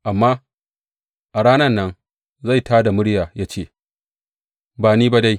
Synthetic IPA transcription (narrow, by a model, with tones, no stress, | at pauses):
ʔa˨mːaː˦ | ʔa˨ɽaː˦nɐ˦nːɐ˦n | za˦˨jtʰaː˦da˨mʊ˦ɽjaː˨jaː˦t͡ʃeː˦˨ | baː˨niː˦ba˦da˦j